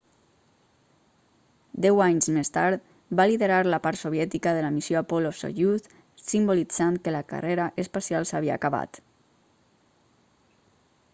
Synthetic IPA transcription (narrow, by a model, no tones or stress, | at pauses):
d̪ɛwaɲzmest̪aɾt̪ | baliðəɾaɾləpaɾt̪soβ̞jɛt̪ikəðələmisjoapɔloso̰ʒuθ | simbulid͡zankələka̰reɾaʔəspasjalˠsaβia̰ːkaβa̰t̪